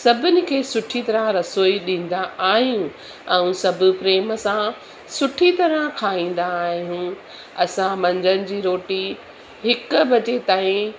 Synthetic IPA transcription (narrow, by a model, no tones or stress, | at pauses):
sɐbʱɪnɪ̆kʰeːsʊʈʰit̪ɐɾə̃ɾɐsoːiɗĩːn̆d̪aaːɦijũ | ɛ̃ːsɐbʱʊ̆pɾeːməsã | sʊʈʰit̪ɐɾə̃kʰaːĩːn̆d̪aːɦijũ | ɐsãmɐ̃ɲd͡ʑənɪ̆d͡ʑiːɾoːʈi | ɦɪkʊ̆bɐt͡ɕet̪aːĩ